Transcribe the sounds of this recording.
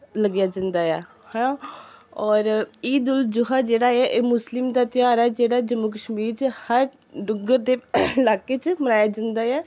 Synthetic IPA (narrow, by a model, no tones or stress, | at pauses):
ləɡjaːd͡ʒə̃nd̪aːɛː | hã | ɔːɾiːd̪ʊld͡ʒʊɦaːd͡ʒeːɽaːɛʔeːmʊslɪmd̪aːt̪ɪjaːɾɛːd͡ʒeːɽaːd͡ʒəmːuːk̬əʃmiːɾt͡ʃəhəɾ | ɖʊɡəɾd̪eːlaːkeːt͡ʃmənaːjaːd͡ʒə̃nd̪aːɛː